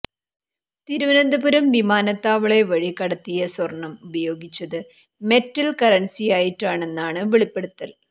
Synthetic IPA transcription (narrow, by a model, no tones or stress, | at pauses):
t̪iɾuʋɐnɐnd̪ɐbuɾɐmʋimaːnɐt̪ːaːʋɐɭe̞ʋɐɻikɐɽɐt̪ːijɐswɐrɳːɐmubɐjo̞ːɡit͡ɕːɐðɨ | me̞tːɐlkɐɾɐnsijaːjiʈːaːɳe̞nːaːɳɨʋiɭipːeɽut̪ːɐl